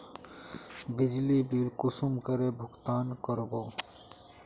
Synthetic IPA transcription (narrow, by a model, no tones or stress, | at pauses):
bɪd͡ʒlibilkʊsumkəɾebʱʊɡt̪aːnkəɾɡoː